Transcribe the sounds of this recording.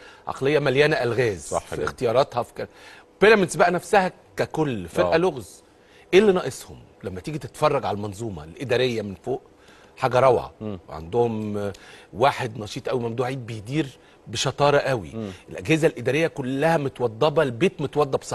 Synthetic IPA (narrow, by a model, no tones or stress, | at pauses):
ʕɑ̰qlejːæmæljæːnæʔælɣæːzsɑ̰ḛxt̪ejɑːɾˤɑːt̪hɑfi̥kæ | pelæmensbæʔænæfsæhæ | kækolːfeʔæloɣz | ʔeːlːenɑʔesˤhom | læmːæt̪iːɡit̪et̪fɑrˤːɑɡʕa̰lælmɑnzˤuːmɑ̰elʔed̪æɾejːæmenfoːʔ | ħaːɡæɾˤɑwʕɑ̰w̰ʕa̰nd̪ohom | waːħed̪nɑʃiːt̪ˤʔæwimæmd̪uːʕiːd̪̚bejd̪iːɾ | beʃɑt̪ˤɑːɾˤɑʔæwḭʔelʔæɡheːzælʔed̪æːɾejːækolːæhæmet̪wɑd̪ˤːɑbɑlbeːt̪met̪wɑd̪ˤːɑbsˤɑ